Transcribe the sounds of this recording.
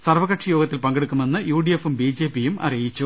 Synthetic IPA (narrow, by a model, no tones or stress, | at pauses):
sɐrʋɐɣɐʈʂɐjoːɡɐt̪ːilpɐŋɡeɽukːume̞nːɨjuːɖijefumbiːd͡ʑe̞ːpijumɐ̰rijit͡ɕːu